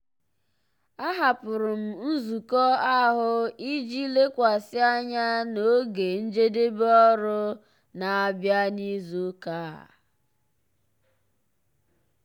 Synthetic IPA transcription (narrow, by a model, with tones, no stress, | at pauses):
a˦ɦa˨pʊ˨ɾʊ˨m̩˨n̩˦zu˨kɔ˦a˦ɦʊ˦i˦d͡ʒi˦le˦kʷa˨sɪ˦a˦ɲa˦no˦ɡe˨n̩˦d͡ʒe˦de˦bɔ˦ɾʊ˦ | na˨a˨bja˦ni˦zu˦ka˦˨